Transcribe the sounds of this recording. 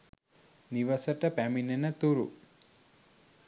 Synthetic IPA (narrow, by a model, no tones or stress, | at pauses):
niʋɐsɐʈɐpæminenɐt̪uɾṵ